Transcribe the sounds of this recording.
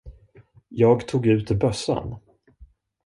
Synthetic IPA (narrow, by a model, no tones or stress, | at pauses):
jɑːɡt̪ʰuːɡʉ̟ːt̪ɪbœsːa̰n